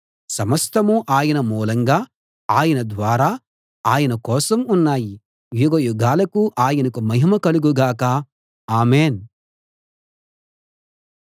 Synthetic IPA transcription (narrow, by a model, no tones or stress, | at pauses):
sɐmɐst̪ɐmuʔaːjɐnɐmuːlɐŋɡaː | aːjɐnɐd̪ʋaːɾaː | aːjɐnɐkɔːsɐmunːaːji | ʋjuɡɐjuɡaːlɐkuʔaːjɐnɐkumɐɦimɐkɐluɡuɡaːkɐ | aːmeːn